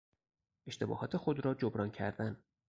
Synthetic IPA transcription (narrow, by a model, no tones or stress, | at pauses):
ʔe̞ʃt̪e̞bɒ̰ːhɒːt̪ʰe̞xo̞d̪ɾɒːd͡ʒobɾɒːncʰæ̰ɾd̪æn